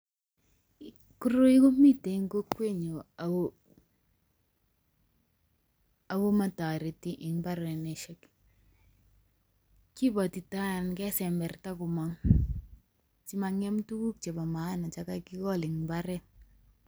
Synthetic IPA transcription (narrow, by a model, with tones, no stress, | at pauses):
ku˦ɾo˦i˦ko˦mi˦te˨i˦ŋɡo˦kːwe˦ɲo˨a | a˨bo˦ma˨ta˨ɾe˨ti˦ʔɪ˨ŋba˦ɾɛ˨nɛ˨ʃɛ˦k | ki˦ba˨ti˨ta˦˨nkɛ˦sɛ˨mbɛ˨rta˦ku˨ma˦ŋ | t͡ʃi˦ma˨ŋɛ˦mtu˦ku˦k̚t͡ʃe˨ba˨ma˨˦na˨t͡ʃa˦ka˦ki˦kɔ˦lɪ˨ŋbaɾɛ˦